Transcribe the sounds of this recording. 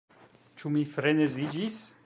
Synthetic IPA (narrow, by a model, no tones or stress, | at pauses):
t͡ʃumifɾenezid͡ʒis